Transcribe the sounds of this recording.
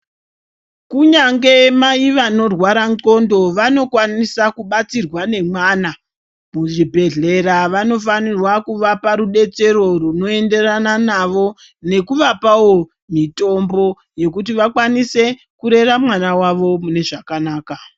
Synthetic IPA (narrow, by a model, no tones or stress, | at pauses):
kuɲaŋɡe̞maiʋano̞rwaɾano̞ndo̞ʋano̞kwanisakuɓat͡sirwane̞mwana | muʐibʱe̞ɮe̞ɾaʋano̞fanirwakuʋapaɾuɗe̞t͡se̞ɾo̞runo̞e̞nde̞rananaʋo̞ | ne̞kuʋapawo̞ | mito̞mbo̞ | je̞kut̬iʋakwanise̞ | kuɾe̞ramwanawaʋo̞mune̞ʐakanaːka